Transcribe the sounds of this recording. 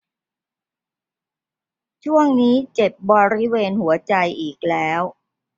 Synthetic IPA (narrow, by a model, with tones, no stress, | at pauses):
t͡ɕʰu˥˩əŋniː˦˥t͡ɕe˨˩p̚bɔː˧ɾi˦˥weː˧nhu˩˦ɐt͡ɕa˧jʔiː˨˩k̚lɛː˦˥w